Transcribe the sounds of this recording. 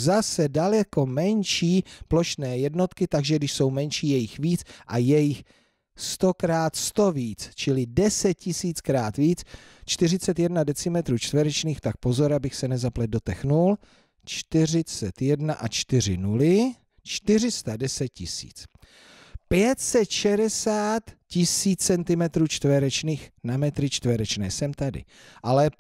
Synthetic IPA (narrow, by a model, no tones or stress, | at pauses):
zasɛdalɛko̞mɛnʃiːplo̞ʃnɛːjɛdno̞t̪kɪt̪aɡʒɛɡdɪʃso̞wmɛnʃiːjɛjɪxviːt͡sʔajɛjɪx | st̪o̞kɾaːt̪st̪o̞viːt͡st͡ʃɪlɪdɛsɛt̪̚cɪsiːt͡skɾaːt̪viːt͡s | t͡ʃt̪ɪr̝ɪt͡sɛt̪jɛdnadɛt͡sɪmɛt̪ɾuːt͡ʃt̪vɛɾɛt͡ʃniːxt̪ak̚po̞zo̞ɾabɪxsɛnɛzaplɛd̪do̞t̪ɛxnul | t͡ʃt̪ɪrɪt͡sɛt̪jɛdnaʔat͡ʃt̪ɪr̝ɪnulɪ | t͡ʃt̪ɪr̝ɪst̪adɛsɛt̪̚cɪsḭːt͡s | pjɛt̪sɛt̪ʃɛɾɛsaːt̪cɪsiːt͡st͡sɛnt̪ɪmɛt̪ɾuːt͡ʃt̪vɛɾɛt͡ʃniːxnamɛt̪ɾɪt͡ʃt̪vɛɾɛt͡ʃnɛ̰ːsɛmt̪adɪ̰ | ʔalɛ